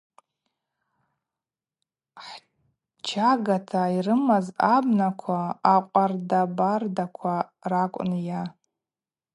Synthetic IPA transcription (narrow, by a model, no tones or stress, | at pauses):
ħ | t͡ʃʰaɡatʰairɨmazabnakʷʰaːqʷʼardabardakʷʰarakʷʼnja